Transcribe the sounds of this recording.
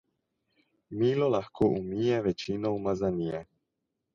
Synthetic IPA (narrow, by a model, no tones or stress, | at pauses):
milɔlaxkʰɔʔumijɛʋɛt͡ʃinowmazaɲiɛ